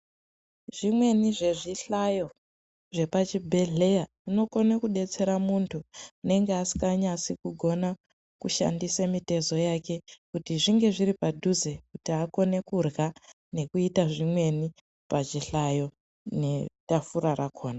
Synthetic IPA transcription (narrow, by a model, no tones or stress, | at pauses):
ʐ̥imwe̞niʐe̞ʐiɬajo̞ | ʐe̞pat͡ʃibʱe̞ɮe̞ja | ino̞ko̞nekuɗe̞t͡se̞ɾamuntʰuune̞ŋɡeasi̥kaɲasikuɡʱo̞na | kuʃa̰ndisemite̞zo̞jake̞kutiʐiŋɡe̞ʐiɾipadʱuzekutiako̞ne̞kurɣa | ne̞kuitaʐimwe̞ni | pat͡ʃiɬajo̞ | ne̞tafuɾarakʰo̞ːna